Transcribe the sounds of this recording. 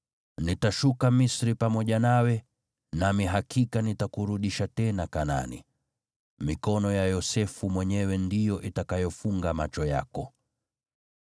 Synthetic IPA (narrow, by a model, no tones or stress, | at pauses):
nitaʃukamisɾipamɔʄanawɛ | namiɦakʰikanitakuɾuɗiʃatɛnakana̰nḭ | mikɔnɔjajɔsɛfumwɛɲɛwɛndijɔʔitakajɔfuŋɡamat͡ʃɔja̰kɔ